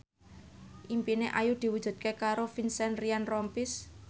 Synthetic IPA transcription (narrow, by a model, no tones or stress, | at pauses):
ʔimpineʔajud̪̥i̤wud̥ʒ̥ṳd̪̥̚kekaɾofinsɛnrianrɔmpɪs